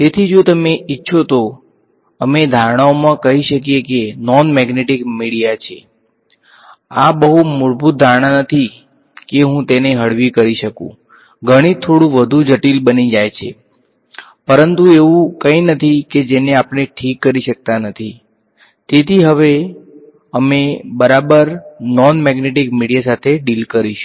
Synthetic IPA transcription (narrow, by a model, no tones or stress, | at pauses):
t̪et̪ʰid͡ʒot̪əmeʔitːʃʰot̪o | əmed̪ʱaɾɽ̃aomãkəɦiʃəkijekenɔnmɛɡneʈikmiɽijat͡ʃʰe | abəɦumʊɾbʱut̪̚d̪ʱaɾɽ̃anət̪ʰi | keɦũt̪eneɦəɽʋikəɾiʃəkṵ̃ | ɡʱəɽ̃it̪ʰoɽũʋəd̪ʱud͡ʒəʈilbənid͡ʒajt͡ʃʰḛ | pəɾənt̪ueʋũkə̃ĩnət̪ʰiked͡ʒeneapɳ̃eʈʰikːəɾiʃək̚t̪anət̪ʰi | t̪et̪ʰiɦəʋe | əmebəɾabəɾnɔnmɛɡneʈikmiɽijasat̪ʰeɖilkəɾiʃu̥